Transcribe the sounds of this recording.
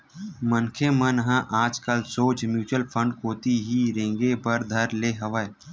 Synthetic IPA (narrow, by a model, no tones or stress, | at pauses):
mənkʰemənɦãʔaːd͡ʒkəlsoːd͡ʒmjuːt͡ʃwəlpʰə̃ɳɖkoːt̪iɦiɾẽːŋɡebəɾd̪ʱɐɾleːɦəʋəe